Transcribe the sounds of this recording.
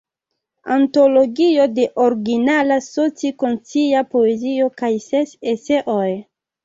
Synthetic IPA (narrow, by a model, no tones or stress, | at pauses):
a̰nto̞lo̞ɡio̞de̞ʔoɾɡinalasot͡sikont͡siapo̞e̞zio̞kajsesese̞ʔoj